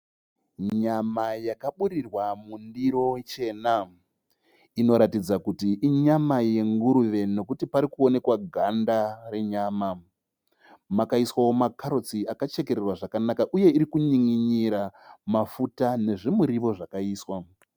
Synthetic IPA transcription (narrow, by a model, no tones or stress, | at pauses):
ɲamajakaɓuɾirwamundiɾo̞t͡ʃe̞ːna | ino̞ɾatid͡zakutiʔiɲamaje̞ŋɡuɾuʋe̞no̞kutipaɾikuo̞ne̞kwaɡʱandare̞ɲaːma | makaiswawo̞makaɾot͡siakat͡ʃe̞ke̞ɾerwaʐakanakaʔuje̞iɾikuɲiŋiɲiɾamafutane̞ʐemuɾiʋo̞ʐakaiːswa